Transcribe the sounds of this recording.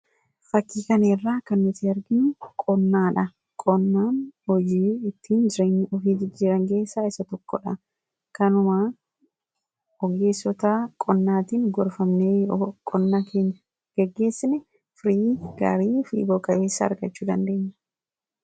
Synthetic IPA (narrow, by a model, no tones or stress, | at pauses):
fɐkːiːkɐneːrːaːkɐnːɪt̪ːɪɐɾɡɪnʊkʼɔnːaːᶑɐ | kʼɔnːaːnhɔd͡ʒiːɪt̪ːiːnd͡ʒɪɾeːɲːɔfiːd͡ʒɪd͡ʒːiːɾɐŋke̞ːsːaːɪsɐt̪ɔkːɔ̰ᶑɐ | kɐnʊma | ɔɡe̞ːsːɔt̪ɐkʼɔnːaːt̪iːŋɡɔɾfɐmneːkʼɔnːaːkʰe̞ːɲːɐ | ɡ̥ɛɡːe̞ːsːɪnɛ | fɾiːɡ̥ɐ̰ɾiːfḭːboːkʼɐʔe̞ːsːɐɐ̰ɾɡɐt͡ʃːuːd̪ɐ̰nd̪e̞ːɲːɐ̥